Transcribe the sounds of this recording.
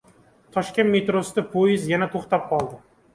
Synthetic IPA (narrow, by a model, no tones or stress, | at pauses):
t̪ʰɒʃkʲe̞nt̪me̞t̪ɾosɪd̪apʰojɪzjanat̪ʰoχt̪ap̚qʰɒlˠd̪ɪ